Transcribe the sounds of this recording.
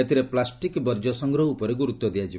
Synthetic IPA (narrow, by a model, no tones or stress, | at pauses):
et̪ʰiɾeplasʈikbɔɾd͡ʒɔsɔŋɡɾɔɦupɔɾeɡuɾut̪ːɔd̪ijad͡ʒi